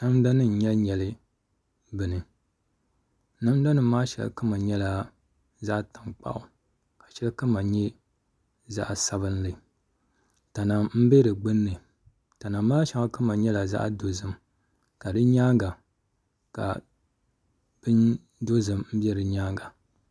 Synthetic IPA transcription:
na˦mda˦nɨ˦n̩˨ɲɛ˦lɲɛ˨lɨ˦ | bɨ˨nɨ˨ | na˦m˦da˦nɨː˨˦aː˦ʃɛ̰˨l̰kɨ˦ma˨ɲɛ˦la˨ | za˦ʔta˨ŋk͡pa̰˦ʔʊ˨ | ka˨ʃɛ˦lkɨ˦ma˨ɲɛ˦ | za̰˦ʔsa˦βɨ˦n˦lɨ˨ | ta˨na˨mm̩˦be˦dɨ˨ɡ͡bɨ˦nːɨ˨ | ta˨na˨mː˦aː˦ʃɛ˨ŋa˦kɨ˦ma˨ɲɛ˦la˨za̰˦ʔdo˨zɨ˨m | ka˨dɨ˦ɲaː˦ŋɡa˨ | ka̰˨ | b̥ɨ˦n | do˦zɨ˨mm̩˦bi˦ɛ˦ɾɨ˨ɲaː˦ŋɡa˨

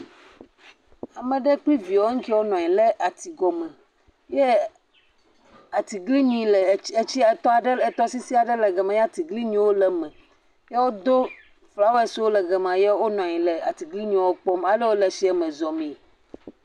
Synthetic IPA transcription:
a˨mẽ˨ɖe˦k͡pli˦vi˨wo˦ŋ̩˦ki˦wo˦nɔ̃˨ɲĩ˨le˦ʔa˨t̪i˨ɡɔ˨mɛ̃˨ | je˦ | a˨t̪i˨ɡli˦ɲĩ˨le˨e˦t͡ɕi˦e˨t̪ɔ˦a˨ɖe˦e˨t̪ɔ˦si˦si˦a˨ɖe˦lɛ˨ɡɛ˨mã˨ja˦˨t̪i˨ɡli˦ɲĩ˦wo˦lɛ˨mɛ̃˨ | je˦wo˦d̪o˦ | fla˦wo˦e˦˨swo˦lɛ˨ɡɛ˨mã˨jɛ˦wo˦nɔ̃˨ɲĩ˨le˨a˨t̪i˨ɡli˦ɲũ˨wo˦k͡pɔ˦ma˦le˦wo˦le˨si˦ɛ˨mẽ˨zɔ˨mĩ˨

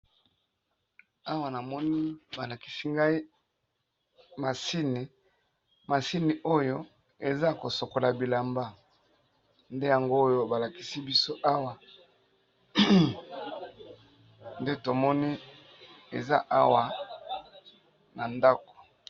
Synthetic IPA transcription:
a˦wa˨na˨mɔ˦ni˦ba˨la˨ki̥˨si˦ŋɡa˦i˦ | ma˨si˦ni˨ | ma˨si˦ni˨ʔo˦jo˦ | e˨za˦ko˨so˨ko˨la˨bi˨la˨mba˦ | nde˦ja˨ŋɡo˦jo˦ba˨la˨ki˨si˦bi˦so˦ʔa˦wa˨ | nde˦to˨mɔ˦ni˦ | e˨za˦ʔa˦wa˨ | na˨nda˦ko̥˨

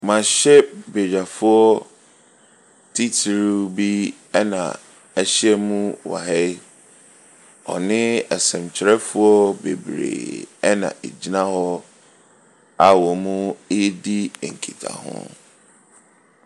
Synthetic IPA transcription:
mã˨ɕɛ˦be˨ɾa˨fʊ˦ɔ˦ | tʰi˦tʰi˨ɾu˦bi˦ | ɛ˦nã̰˨ | ɛ˦˨ɕɛ˦mũ˦wa̰˨ɦɛ˦j | ɔ̰˨nɪ̃˦ɛ˨sɛ̃˨mt͡ɕʰɪ˨ɾɛ˦fʊ˦ɔ˦bḛ˨bɾḛː˨ɛ˦nã̰˨ʔe˨d͡ʑi˦nã˦hɔ˦ | a˨wɔ˨mũ˦e˦di˦˨ŋ̩˨kʰḭ˨tʰa̰˨hʊ̰̃˦

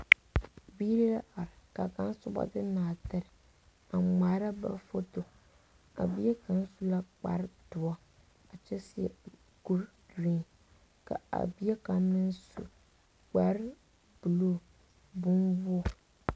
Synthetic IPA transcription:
bi˦ɾi˦la˦ʔa˨ɾɪ˨ka˨ka˦n˦sʊ˦bɔ̰˦tɨ˦naː˨tɪ˦ɾɪ˨ | a˨ŋ͡ma˨ɾa˦ba̰˨fo˦to˨ | a̰˨bi˦ɛ˦ka˨n˦su˦la˦k͡pa̰˨ɾɪ˦dʊ˨ɔ˦ | a˨t͡ʃɛ˦sɪ˦ɛ̰˨ | ɡ̥u˦ɾ | du˨i˦˨ | ka̰˨a̰˨bi˦ɛ˦ka˨n˦mɨ˦nsṵ˨ | k͡pa˨ɾ | bu˨lo˦˨ | bʊ˦nbu˦ɔ˦˨

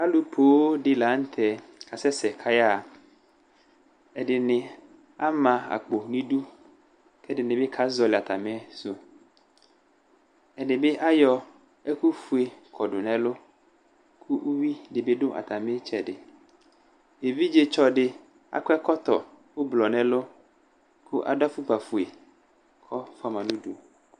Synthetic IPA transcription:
a˦lu˨pʰo˨˦wo˦ɖɪ˨la˨˦n̩˦t̪ʰɛ˨kʰa˨sɛ˦sɛ˨kʰa˦ja˦˨ | ɛ˨dɪ˨nɪ̃˨ | a˦mã˨a̰˨k͡po˨nĩ˦ɖu˦ | kɛ˦dɪ˨nɪ̃˨bɪ˦kʰa˦zɔ˨lɪ˨a˨t̪a˨mẽ˦so˦ | ɛ˨dɪ˨bɪ˦ʔa˦jɔ˦ | e˦ku˦fu˨e˨kʰɔ˨ɖo˨nɛ̃˨lo˦ | kʰu˦ʔu˦wi˦ɖɪ˨be˦ɖʊ˦ʔa̰˨t̪a˨mẽ˦t͡ʃɛ˨ɖɪ˨ | e˨vi˦d͡ʒe˦t͡ʃɔ˦ɖɪ˨ | a̰˨kɔ˦ɛ˦kɔ˦t̪ɔ̰˨ | wo˦blɔ˨nɛ̃˨lo˦ | ku˦ʔa̰˨da˦fu˦k͡pa˨fu˨e˨ | kʰɔ˦fa˦mã˨nũ˦du˦

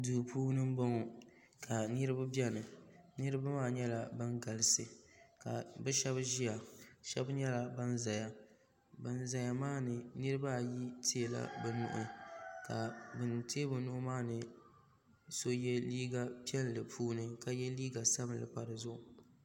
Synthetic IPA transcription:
duː˨pʰuː˦nɨ˦m̩˦bɔ˦ŋɔ˨ | kʰa˨nɨ˦ɾɨ˦ba˦bɛ˦nɨ˨nɨ˦ɾɨ˦ba˦maː˦ɲɛ˦la˨bɨ˦nɡa˨lɨ˨sɨ˨ka̰˨bɛ˦ʃɛ˦bʒi˦ja˨ʃɛ̰˦bɲɛ˦la˨ba˦nza˨ja˦ | ba˨nza˨ja˨maː˦nɨ˨nɨ˦ɾɨ˦ba˦˨ji˦tʰe˦e˨la̰˦bɛ˨nʊ̰˨ʔʊ̰˨ka˨bɨ˨nteː˦bɨ˨nʊ˦ʔʊ˦maː˦nɨ˨ | so˦jɛ˦liː˦ɡa˦pi˦ɛ˦llɨ˨pʰuː˦nɨ˦ka˨jɛ˦liː˦ɡa˨sa˦bɨ˨lɨ̰˨pa˨ɾɨ˨zʊ˦ʔʊ˨

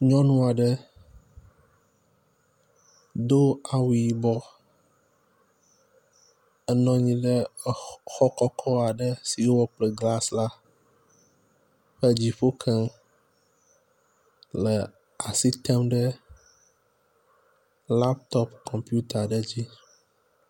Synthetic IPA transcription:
ɲɔ̃˦nũ˦a˨ɖə˦ | d̪o˦a˨wi˨i˦bɔ˦ | ə˦nɔ̃˦ɲĩ˦ɖə˦ | xɔ˦kɔ˦kʰɔ˦a˨ɖə˦si˨o˦wɔ˦k͡plɛ˦ɡla˦sla˦ | ɸə˦d͡ʑi˨ɸo˦kʰɛ˦ŋ | lə˨ | a˨si˦t̪ɛ˦mɖə˦ | la˦p̚t̪ɔ˦pkʰɔ̃˨mpju˦t̪a˨ɖə˦d͡ʑi˦

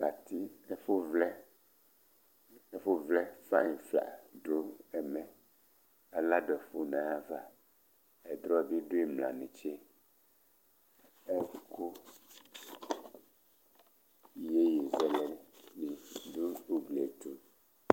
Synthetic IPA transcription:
ka˨t̪i˦e˦fo˦vlɛ˦ | e˦fo˦vlɛ˦fa̰˦ɲĩ˨fla̰˨ɖo˦ɛ˨mɛ̃˨ | a˨la˦ɖo˨ɛ˨fo˦nã˨ja˦va˨ | ɛ˨d̪ɾɔ˦vi˦ɖo˦e˦mlã̰˨nẽ˨t͡ʃe˦ | ɛ˦ku˦ | je˦je˨zɛ˦lɛ˨ni˨du˦u˦ɡle˨t̪u˦

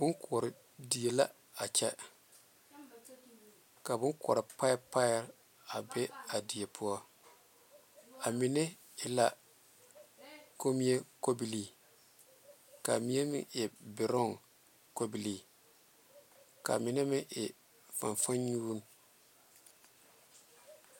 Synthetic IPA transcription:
bʊ˦nkʰʊ˨ɔ˨ɾɪ˨ | di˨e˨la̰˦ | a˨t͡ʃɛ˦ | ka˨bʊ˦kɔ̰˨ɾɪ˨pa˦pa˦ɛ˦l | a˨bɛ˦a˨di˨e˨pʰʊ˦ɔ˦ | a˨mɪ˨nɛ˦ | ɪ˨la˦ | ko˦mi˦e˦ko˦bi˨liː˨ | ka̰˨mi˦e˦mɪ̰˦ʔɪ˨bɪ˨ɾɔ˦˨ŋ | ko˦bi˨li˨ | ka̰˨mɪ˨nɛ˦mɪ˦ʔɪ˨ | fa˨ɱfa˦nɲuː˦n˦

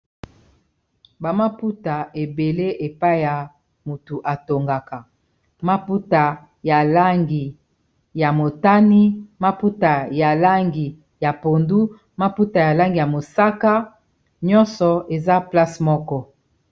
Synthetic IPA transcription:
ba˨ma˦pu˦ta˨e˨be˨le˦ʔe˨pa˦i˦ja˨ | mu˨tu˨ʔa˨to˨ŋɡa˨ka˨ | ma˦pu˦ta˨ | ja˨la˦ŋɡi˨ | ja˨mo˨ta˦ni˦ma˦pu˦ta˨ja˨la˦ŋɡi˨ | ja˨po˨ndu˦ | ma˦pu˦ta˨ja˨la˦ŋɡi˨ja˨mo˨sa˦ka˦ | ɲɔ̃˦nsɔ˨e˨za˦pla˦smɔ˦kɔ˦

